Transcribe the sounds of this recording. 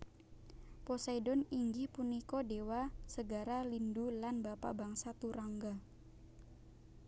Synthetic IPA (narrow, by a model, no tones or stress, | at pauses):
pɔsadɔniŋɡipunikɔdewasəɡaɾalindulanbapa̰baŋsat̪uɾaŋɡa